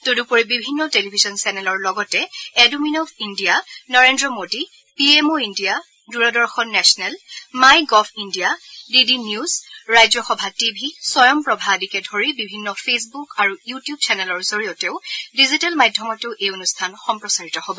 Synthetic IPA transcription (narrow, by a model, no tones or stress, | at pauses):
todupoɹibibʱinːɔtelibʱizɔnsɛnɛlɔɹlɔɡɔtɛɛduminɔbʰindijanɔɹendɹɔmodi | piemoindija | duɹɔdɔɹxɔnːɛsɔnɛlmajɡɔpʰindijadidinjuzɹajzɔxɔbʱatibʱisɔjɔmpɹɔbʱadikɛdʱoɹibibʱinːɔpʰesbukaɹujutijub̚t͡ʃɛnɛlɔɹzoɹijɔtɛʊdizitalmajdʱjɔmɔtʊʔejonustʰanxɔmpɹɔsaɹitɔhobɔ